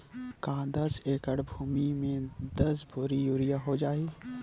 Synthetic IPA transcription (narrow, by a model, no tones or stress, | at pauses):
kãːd̪ɐseːkəɽbʱuːmimẽd̪ɐsbʱoɾijuːɾijaɦod͡ʒaːiː